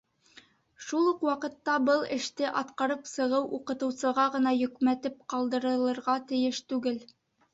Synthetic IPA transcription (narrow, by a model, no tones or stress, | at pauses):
ʃulˠuqwɑqɤ̆t̪ːɑbɤlˠɘ̆ʃt̪ɘʔɑt̪qɑɾɤpsɤ̆ʁɤwʔuqɤ̆t̪ɤ̆wsɤ̆ʁɑʁɤ̆nɑjɵ̆kmæt̪ɘp̚qɑlˠd̪ɤ̆ɾɤ̆lˠɤ̆ɾʁɑt̪ɘ̆jɘʃt̪ʉɡɘl